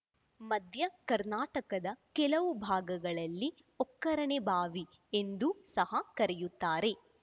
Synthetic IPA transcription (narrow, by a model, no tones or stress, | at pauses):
mɐd̪ʱjɐkɐɾnaːʈɐkɐd̪ɐkɛlɐʋubʱaːɡɐɡɐɭɐlːi | ɔkːɐɾɐɳebʱaːʋi | end̪usɐɦɐkɐɾejut̪ːaːɾe̞